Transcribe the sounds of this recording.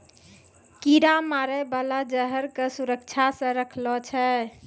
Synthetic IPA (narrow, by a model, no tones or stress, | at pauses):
kiɾamaɾəbalad͡ʒəɦəɾkesuɾək̚t͡ʃʰasə̃ɾəkʰlɔt͡ʃʰɛ